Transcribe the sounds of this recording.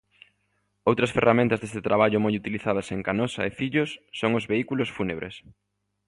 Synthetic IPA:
owt̪ɾɐsferʔamẽnt̪ɐzðest̪et̪ɾaβaʎʊmojut̪iliθað̞ɐseŋkanɔsɐ̰efiʎʊsːoŋʊzβeikulosfuneβɾʔḛs

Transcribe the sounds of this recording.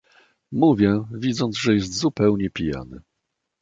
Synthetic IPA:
muvʲjɛvʲid̪zɔnd̪zʐɛjɛs̬t̪zupɛwɲɛpʲija̰nɘ̰

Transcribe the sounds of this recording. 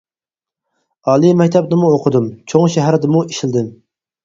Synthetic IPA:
ɑːlˠimɛkʲt̪ʰɛpnɪmuoqʰəd̪umt͡ʃʰoŋʃɛɦæɾd̪ɪmuiʃild̪ɪm

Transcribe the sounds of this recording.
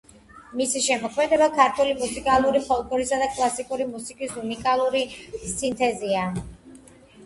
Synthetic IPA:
misiʃɛmɔkʰmɛd̪ɛbakʰaɾt̪ʰwɛlimusikʼalˠuɾipʰɔlˠɡʼɔɾisad̪akʼlˠasikʼuɾimusikʼisunikʼalˠuɾisint̪ʼɛzia

